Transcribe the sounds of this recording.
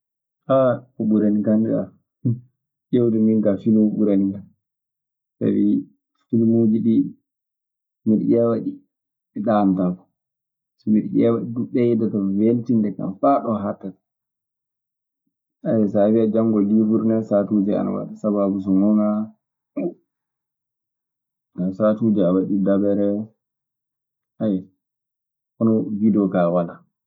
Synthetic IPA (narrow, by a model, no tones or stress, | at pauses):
haubuɾanikandɛa̰ | ʔewdɛminɡafilmubuɾaniɡan | sa̰wi | filmud͡ʒiɗi | miɾjɛwaɗi | iɗantakɔ̥ | sɔmiɾʔɛwaɗiduɓɛjɛdɔtɔveltindɛka̰mfaɗɔɦatːat | ajɛsaviad͡ʒaŋɡɔlivuɾnɛsatud͡ʒɛa̰na̰wa̰ɗisababus̬ɔmuna | ɡasatud͡ʒɛawaɗidabɛɾɛ | ʔajɛ | ʔɔnɔvidɛɔɡawala